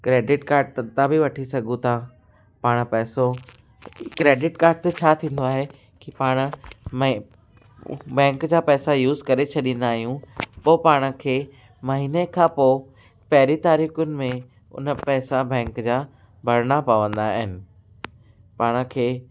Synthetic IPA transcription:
kɾeːɖɪʈkaːɾɖ̚t̪ɐt̪abiʋɐʈʰisɐɡʱũt̪ʰã | paːɽ̃pɛːso | kɾeːɖɪʈkaːɾɖ̚t̪ɐt͡ɕʰaːt̪ʰĩːn̆d̪oaːɦe | kipaːɽ̃ʊ̆m | bɛ̃ːŋkd͡ʑaːpɛːsajuːzkɐɾet͡ɕʰɐɗĩːnd̪aːɦijũpoːpaːɽ̃ə̆kʰeː | mɐɦiːnekʰãːpoː | pɐɦɪɾit̪aːɾiːxʊnɪ̆mẽ | ʊ̰nəpɛːsabɛ̃ːŋkd͡ʑaː | bʱɐɾɽ̃apɐʋə̃nd̪aɦɪnɪ̆ | paːɽ̃ə̆kʰeː

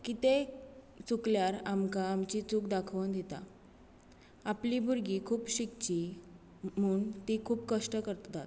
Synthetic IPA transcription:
kit̪e | t͡sukljaɾamkaːmt͡ɕit͡suːkd̪akʰʋund̪et̪a̰ | aplibuɾɡikʰuːpɕikt͡ɕi | muːɳt̪ikʰuːpkəʂʈəkəɾt̪t̪at̪̚

